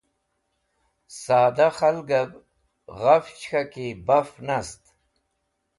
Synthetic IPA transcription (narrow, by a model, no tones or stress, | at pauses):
saːd̪aχalɡɐb | ʁaft͡ɕxakibafnast̪